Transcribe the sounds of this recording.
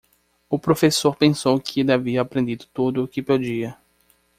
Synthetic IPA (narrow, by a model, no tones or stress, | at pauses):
ʊpɾofesoɾpẽsowkʰɪelɪaviɐapɾẽnd̪id̪ʊt̪od̪ʊkɪpod͡ʒiɐ